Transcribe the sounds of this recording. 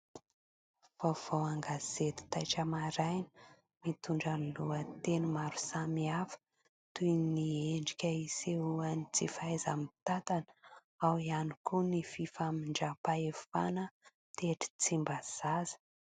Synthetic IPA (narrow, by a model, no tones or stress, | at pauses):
v̥ov̥owaŋɡaz̥et̪u̥t̪ajʈ͡ʂəmaɾajn | mit̪uɳɖ͡ʐaniluət̪enumaɾu̥samiafə̥ | t̪unieɳɖ͡ʐikʲəiseuanit͡sifajza̰mit̪at̪an | awianikunififamiɳɖ͡ʐapaefa̰nə | t̪eʈ͡ʂi̥t͡simbaz̥azə̥